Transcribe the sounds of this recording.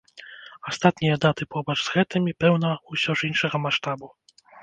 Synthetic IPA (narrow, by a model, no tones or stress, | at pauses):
ɔst̪at̪nʲɛjɛd̪at̪ɨpɔbɐʐzɣɛt̪ɨmʲipɛwnɐuɕʲɔʐinʂɛɣɐmaʂt̪abu